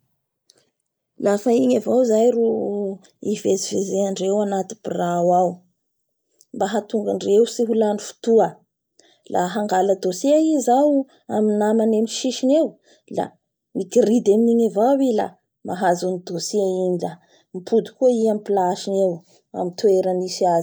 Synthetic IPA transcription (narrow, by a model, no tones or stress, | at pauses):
lafaiɲavawzajɾu | ivezivezeaɳɖ͡ʐewanat̪i̥birawaw | mbaɦat̪uŋɡaɳɖ͡ʐewsiɦulanifu̥t̪uə | laɦaŋɡaləd̪osiaizaw | aminamanemʃiʃinew | la̰ | mikirid̪eminiɲavawila̰ | maɦazunid̪osiainila | mipʰud̪u̥kuəiampilaʃinew | a̰mint̪ueɾanisiaz